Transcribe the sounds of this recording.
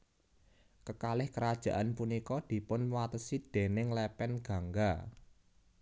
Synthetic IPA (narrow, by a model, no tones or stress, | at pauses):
kəkalɪhkəɾad̥ʒ̥ä̤ʔanpunikɔd̪̥i̤pʊnwat̪əsid̪̥e̤nɪŋlɛpɛnɡ̥ä̤ŋɡa